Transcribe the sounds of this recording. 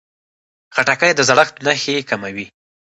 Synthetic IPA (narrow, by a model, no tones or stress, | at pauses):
xaʈakajd̪əzaɽəxt̪naxekamawi